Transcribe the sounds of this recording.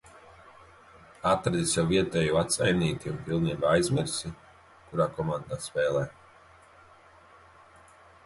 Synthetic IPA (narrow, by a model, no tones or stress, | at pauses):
at̪ɾad̪isjawviɛt̪ɛːjuat̪sajniːt̪iunpilˠniːbaajzmiɾsʲi | kuɾaːkɔmand̪aːspɛːlˠɛː